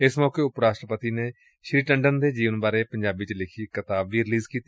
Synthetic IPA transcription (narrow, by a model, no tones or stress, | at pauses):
ɪsmɔːkeːʊpɾaːʃʈɾəpət̪iːneː | ʃɾiːʈəɳɖənd̪eːd͡ʒiːʋənbaːɾeːpə̃ɲd͡ʒaːbiːt͡ʃlɪkʰiːkət̪aːbiːɾɪliːzkiːt̪